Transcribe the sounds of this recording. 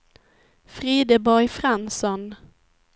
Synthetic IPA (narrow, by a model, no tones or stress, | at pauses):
fɾiːd̪əbɔɾjfɾansɔn